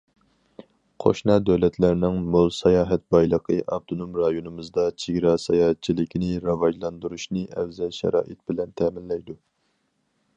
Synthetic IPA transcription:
qʰo̰ʃnɑd̪ɛwlɛt̪ʰlæɾnɪŋmolˠsɑjɑːɦɛt̪̚bɑjlˠəqʰəʔɑ̰bt̪ʰonomɾɑjonɨmɨzd̪ɑt͡ʃʰeɡʲɾɑsɑjɑːhɛt̪̚t͡ʃʰilɪkʲʰinɪɾɑvɑʒlˠɑnd̪uɾuʃnɨʔɛwzɛlʃɛ̰ɾɑ̰ːʔɨt̪̚bɪlɛnt̪ʰɛːmɪnlːɛjd̪u

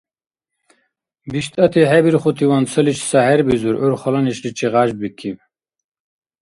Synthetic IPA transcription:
biʃt̪ɐt̪ʰiɦɛbiɾχut̪ʰiwansʰəlit͡ʃʰsahɛɾbizuɾʔuɾχɔlɐniʃlit͡ʃʰiʁaʒbikʰim

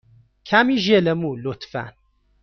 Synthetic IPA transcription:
kʰamiʒelɛmulot̪fæ̰n

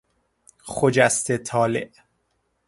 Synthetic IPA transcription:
xod͡ʒæst̪ʰet̪ʰɒːlḛʔ

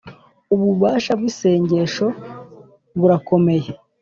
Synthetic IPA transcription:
uβuβaːʃabɡwise̞ːɲɟe̞ʃo̞ | βuɾako̞me̞je

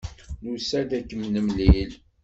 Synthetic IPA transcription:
nusæd̪ækːəmnəmlil

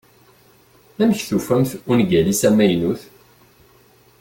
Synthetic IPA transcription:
æmçθufæmθunɡælisæmæjnuθ

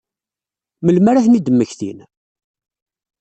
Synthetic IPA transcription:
məlmæɾaθnid̪əmːəçθḭn

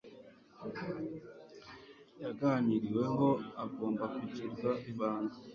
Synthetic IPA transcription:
jaɡaɲiɾiwe̞ŋɡo̞aɡo̞ːmbakwituɾɡaʔiβaːna

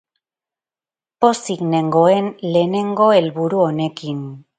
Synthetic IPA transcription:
posiɣne̞ŋɡo̞enle̞ːne̞ŋɡo̞e̞lβuɾuo̞ne̞kin

